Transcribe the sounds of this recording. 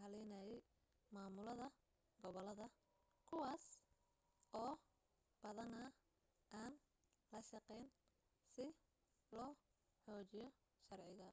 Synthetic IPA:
hɐlɛnɐjɛj | maːmʊlɐðɐ | ɡɔβɔlɐðɐ | kʰʊwaːs | ɔː | b̥ɐðɐnaː | ʔaːn | lɐʃɐqɛːn | sɪ | lɔː | ħɔːt͡ʃɪjɔ | ʃɐrʕɪɣɐ

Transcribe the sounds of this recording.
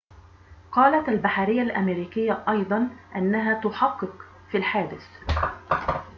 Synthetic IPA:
qɑːlat̪albaħaɾɪjːalʔamɪɾiːkɪjːaʔɑjd̪ˤɑnʔanːaɦaːt̪ʊħɑqːɨq | filħaːd̪ɪθ

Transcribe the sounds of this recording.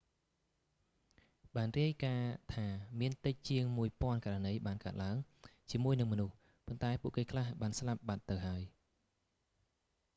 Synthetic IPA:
ɓaːnriəjkaːt̪ʰaːmiənt̪ɨc̚t͡ɕiəŋmuəjpŏənkaːranəjɓaːnkaət̪̚laəŋt͡ɕiəmuəjnɨŋmɔnuh | pont̪aɛpuəʔkeːkʰlahɓaːnslap̚ɓat̪ːɨwɦaəj

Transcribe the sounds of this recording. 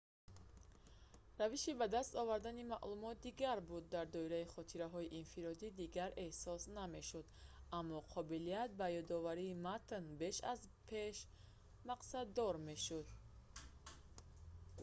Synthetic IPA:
raviʃibad̪ast̪ɔvaɾd̪animaʔlumɔt̪̚d̪iɡaɾbud̪ːaɾd̪ɔiɾaiχɔt̪ʰiɾaɦɔiʔinfiɾɔd̪id̪iɡaɾe̞hsɔsname̞ʃud̪amːɔqʰɔbiliat̪̚bajɔd̪ɔvaɾiːmat̪nbe̞ʃa̰zpʰe̞ʃ | maqsad̪ːɔɾme̞ʃud̪̚

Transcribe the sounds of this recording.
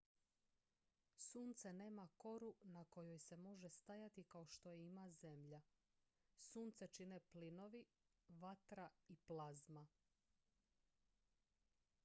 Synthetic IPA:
suːnt̪sene̞ːmako̞ɾunako̞jo̞jse̞mo̞ʒest̪ajat̪ikao̞ʃt̪o̞jeimaze̞mʎa | suːnt̪set͡ʃine̞plino̞ʋi | ʋat̪ɾaiplˠazma

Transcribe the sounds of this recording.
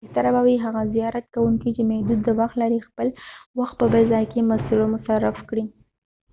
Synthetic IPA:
ht̪aɾabawiɦaɣazijɑɾat̪kawuŋkit͡ʃemahd̪ud̪ːəwaxt̪laɾixpəlwaxt̪̚pəbazɑjkemasilomʊsaɾafkɽi

